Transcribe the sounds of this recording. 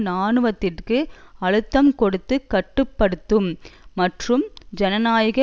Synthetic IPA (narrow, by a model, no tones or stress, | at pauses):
naːɳɯʋɐt̪ːɪrkɯɐɻɯt̪ːɐmkɔɽɯt̪ːɯkːɐʈːɯpːɐɽɯt̪ːɯmːɐʈrɯmd͡ʒɛnɐnaːjɣɐ